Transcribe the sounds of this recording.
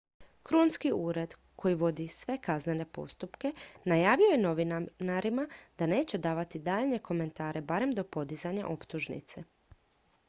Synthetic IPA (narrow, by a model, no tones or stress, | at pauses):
kɾonskiuːɾe̞d̪ | kʰo̞jiʋo̞d̪isʋe̞kazne̞ne̞po̞̰st̪upke̞najaːʋio̞jeno̞ʋinnaɾimad̪̥ane̞ːt͡ɕe̞d̪aːʋat̪id̪aːʎɲe̞ko̞me̞nt̪aːɾe̞baɾe̞md̪o̞po̞d̪izaɲa̰ʔo̞pt̪uʒnḭt̪se